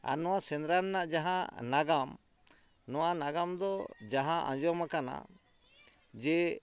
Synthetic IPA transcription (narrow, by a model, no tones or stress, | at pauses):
a̰nɔwasɛnd̪ɾaɾnaʔd͡ʒaɦãnaɡam | nɔwanaɡamd̪ɔd͡ʒaɦãʔã̰d͡ʒɔmakana̰ | d͡ʒɛ